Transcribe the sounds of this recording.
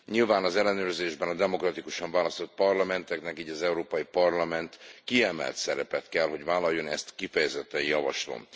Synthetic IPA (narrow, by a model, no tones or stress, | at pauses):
ɲilvaːnɒzɛlːɛnøːrzeːʒbɛnɒd̪ɛmo̞krɒt̪ikuʃɒɱvaːlɒst̪o̞t̪̚pɒrlɒmɛnt̪ɛknɛkiːɟɒzɛuɾoːpɒjipɒrlɒmɛnt̪kiɛmɛ̰lt̪sɛɾɛpɛt̪kɛlɦo̞ɟvaːlɒjːo̞nɛst̪kifɛjɛzɛt̪ːɛjɒvɒ̰ʃlo̰m